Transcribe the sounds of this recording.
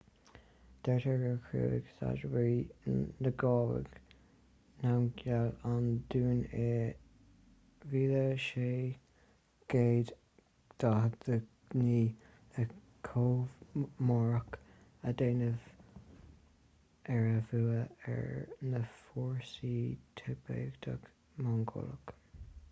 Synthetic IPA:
d̪̥ɛɹt̪ʰəɡəɹkʰɹṵːɪ̰ɡ̥sa̰d͡ʒwɾinəɡɑːwə̰ɡ̥ | nawnɡjaland̪̥uːne | viːləʃeː | ɡ̥eːd̪ | d̪̥ahd̪ə | niː | ə | kʰoːvmɔɹək | əd̪eːnəv̥ | ɛɹəvuːəɛ̰ɹnəfɔːɹsit̪ʰɛbḛːɡd̪a̰ɡ | maŋɡʊ̰lək

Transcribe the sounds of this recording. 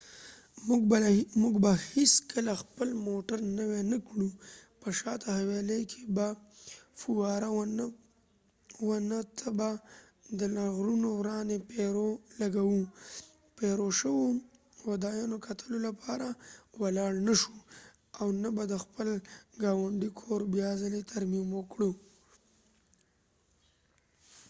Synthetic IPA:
muɡbaheskəlaxpəlmoʈaɾnəwenakɽupəʃɑt̪ahawelejkʰebafuwɑɾaw | wanat̪ʰaba | d̪əlaɣɾunowɾɑnepeɾolaɡawu | peɾoʃəwo | wad̪ɑjɑnokʰat̪ʰəlolapʰɑɾawalɑɽnaʃu | awnabad̪əxpəlɡɑwaɳɖikʰoɾbjɑzəlet̪ʰaɾmimwəkɽu

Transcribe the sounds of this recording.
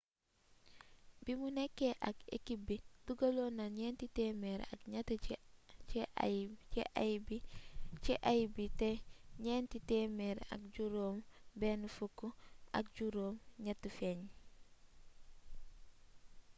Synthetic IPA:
bimunekːeʔakḛkibid̥uɡalonaɲentitemeɾa̰kɲat | ḛʔabit͡ʃeʔajbiteɲentitemeɾa̰k̚ɟuɾoːmbeːnufukːua̰k̚ɟuɾoːmɲatːufeɲ

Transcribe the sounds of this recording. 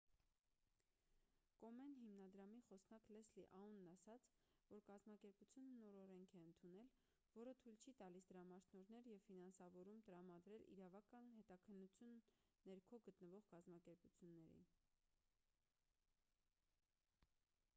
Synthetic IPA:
kɔmɛnɦimnɑd̪ɾɑmiχɔsnɑklɛsliʔɑunːɑsɑt͡sʰ | vɔɾkɑzmɑkɛɾput͡sʰjunəːɔɾɔɾɛŋkʰɛənt̪ʰunɛl | vɔɾət̪ʰujlt͡ʃʰit̪ɑlisd̪əɾɑmɑʃnɔɾnɛɾjɛvfinɑnsɑvɔɾumt̪əɾɑmɑd̪ɾɛlḭɾɑvɑkɑnhɛt̪ɑkʰənːut͡sʰjunː | ɛɾkʰɔɡət̪nəvɔʁkɑzmɑkɛɾput͡sʰjunːɛɾɛ̰jin

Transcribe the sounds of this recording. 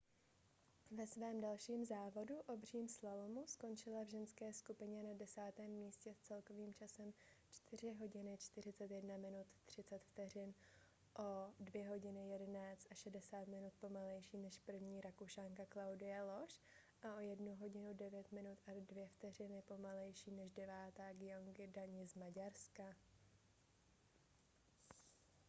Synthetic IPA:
vɛsvɛːmdalʃiːmzaːvo̞duʔo̞br̝iːmslalomusko̞nt͡ʃɪlavʒɛnskɛːskupɪɲɛnadɛsaːt̪ɛːmːiːscɛst͡sɛlko̞viːmt͡ʃasɛm | t͡ʃt̪ɪr̝ɪɦo̞ɟɪnɪt͡ʃt̪ɪɾ̝ɪt͡sɛt̪jɛdnamɪnut̪ːr̝̥ɪt͡sɛt̪ft̪ɛr̝ɪn | ʔo̞dvjɛɦo̞ɟɪnɪjɛdɛnaːt͡st̪ʔaʃɛdɛsaːt̪mɪnut̪̚po̞malɛjʃiːnɛʃpr̩vɲiːɾakuʃaːŋkaklawdɪjalo̞ʃ | ʔaʔo̞jɛdnuɦo̞ɟɪnudɛvjɛt̪mɪnut̪ʔadvjɛft̪ɛr̝ɪnɪpo̞malɛjʃiːnɛʃdɛvaːt̪aːɡɪjoŋɡɪdaɲɪzmaɟaɾska

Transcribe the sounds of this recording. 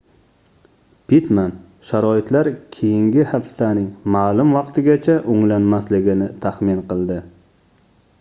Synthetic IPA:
pʰit̪man | ʃaɾɒɪt̪laɾkʲʰejɪŋɡʲɪhafst̪anɪŋmaːlʊmvɑqt̪ʰɪɡʲat͡ʃʰaʔʊŋlanmaslɪɡʲɪnɪt̪ʰaχmɪnqɨlˠd̪ɪ

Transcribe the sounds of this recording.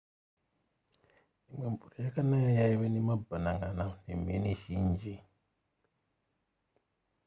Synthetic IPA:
nimembuɾijakanajajaiβenemabanaŋɡananḛmḛneʃiɲd͡ʒi

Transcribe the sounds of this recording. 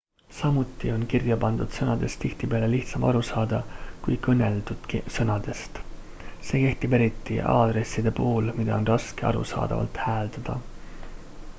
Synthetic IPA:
sɑmut̪ːˑio̞nkirjɑpɑnd̪̥ud̪̥sɤnɑd̪̥e̞st̪iht̪ipe̞ɑleliht̪sɑmɑɾusɑːd̪̥ɑkujkɤnːe̞ld̪̥ud̪̥kisɤnɑd̪̥e̞st̪ | se̞ːke̞ht̪ibe̞ɾit̪ˑːḭɑ̰ːd̪̥ɾe̞sːid̪̥e̞puhulmid̪̥ɑ̰o̞nrɑskeɑ̰ɾṵsɑ̰ːd̪̥ɑ̰vɑ̰lt̪hæːld̪ɑd̪̥ɑ̰

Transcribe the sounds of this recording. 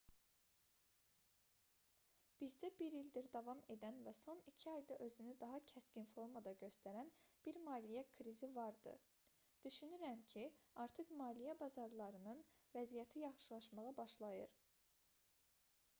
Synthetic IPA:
b̥izd̪æbiɾild̪iɾd̪ɑvɑme̞d̪ænvæso̞nicʰiɑjd̪ɑʔø̞zynyd̪ɑɦɑcʰæscinfo̞ɾmɑd̪ɑɟø̞st̪æɾænb̥iɾmɑːlijækʰɾizivɑɾd̪ɯ̰ | d̪̥yʃynyɾæmcʰiɑɾt̪ʰɯχmɑːlijæbɑzɑɾlˠɑɾɯnɯnvæzijæt̪ʰijɑχʃɯlˠɑʃmɑʁɑbɑʃlˠɑjɯɾ

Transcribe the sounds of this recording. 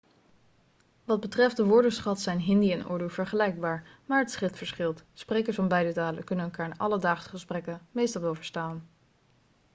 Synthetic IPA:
ʋɑd̚bətrɛft̚dəʋʊɹdəsχɑtsɛjnɦɪndiɛnʊ̰ːɹdev̥əɹχəlɛjɡ̚baːɹmaːɹɦətsχɪtfəɹsχɪlˠtsprejkəsfɑnbɛjdətaːləkɵnənənkaːɹnʔɑ̰lədaːχsəχəsprɛkənmejstɑlˠowvəɹstaːn

